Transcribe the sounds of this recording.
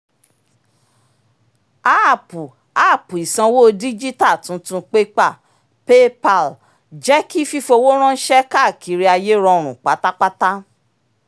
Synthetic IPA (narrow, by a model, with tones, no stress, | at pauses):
a˦˨pu˨ | a˦˨pu˨i˨sã˨˧wo˦˧di˦d͡ʒi˦ta˦˨tũ˨˦tũ˧k͡pe˦k͡pa˦˨ | pe˦pa˨l | d͡ʒɛ˦ki˦fi˦fo˧wo˦ɾ̃ɔ̃˦n̩˦ʃɛ˦ka˦˨kʰi˨˦ɾi˦a˧je˦ɾɔ̃˧ɾ̃ũ˨k͡pa˨˦ta˦k͡pa˦ta˦